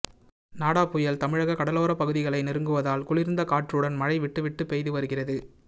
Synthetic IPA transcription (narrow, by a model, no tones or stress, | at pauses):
naːɽaːpʊjɐlt̪ɐmɪɻɐɣɐkɐɽɐloːɾɐpɐɣɯðɪɣɐɭɐɪnɪɾɯŋɡɯʋɐðaːlkʊɭɪɾɯnd̪ɐkaːʈrɯɽɐnmɐɻɐɪʋɪʈːɯʋɪʈːɯpːɛjðɯʋɐɾɯɣɪrɐðɯ